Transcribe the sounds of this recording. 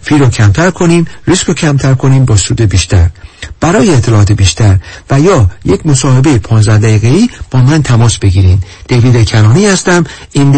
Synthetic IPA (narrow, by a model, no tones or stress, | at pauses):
fiːɾocʰæmt̪ʰæɾkʰo̞niːmɾiskʰocʰæmt̪ʰæɾkʰo̞niːmbɒːsuːd̪ebiːʃt̪ʰæɾb̥æɾɒːjeːt̪ʰːelɒʔɒːt̪ʰebiːʃt̪ʰæɾvæjɒːjecʰmo̞sɒːhe̞be̞jepʰɒːnzd̪æhd̪æɣiːɣeiːb̥ɒːmænt̪ʰæmɒːsb̥e̞ɡiːɾiːmd̪̥eviːd̪ecʰænɒːniːhæst̪æmin